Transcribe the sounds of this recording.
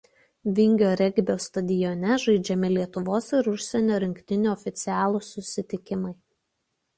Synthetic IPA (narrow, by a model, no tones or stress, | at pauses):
ʋʲɪŋʲɡʲoːɾʲɛɡʲbʲoːst̪ɐd̪ʲɪjɔnʲɛʒɐɪd͡ʒʲɛmʲɪlʲiɛt̪ʊʋoːsɪɾʊʃʲsʲɛnʲoːɾʲɪŋʲkt̪ʲɪnʲuːɔfʲɪt̪sʲɪæːlˠuːsʊsʲɪt̪ʲɪkʲɪmɐɪ